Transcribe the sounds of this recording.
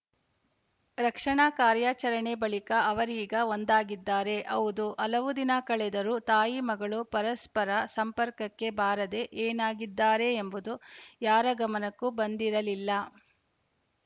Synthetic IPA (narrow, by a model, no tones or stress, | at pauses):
ɾɐkʂɐɳaːkaːɾjaːt͡ʃɐɾɐɳebɐɭikɐɐʋɐɾiːɡɐond̪aːɡid̪ːaːɾe̞ʔɐwud̪uʔɐlɐʋud̪inɐkɐɭɛd̪ɐɾut̪aːjimɐɡɐɭupɐɾɐspɐɾɐsɐmpɐɾkɐkːe̞baːɾɐd̪e̞ʔeːnaːɡid̪ːaːɾe̞ːmbud̪ujaːɾɐɡɐmɐnɐkːubɐnd̪iɾɐlilːɐ